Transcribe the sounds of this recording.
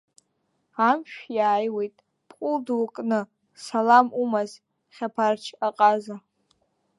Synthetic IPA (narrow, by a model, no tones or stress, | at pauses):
amʃᶣjaːjwejtʼ | pʰʼqʷʼʊldwukʼnɨ | salamumaz | χʲapʰart͡ʃʰaqʼaza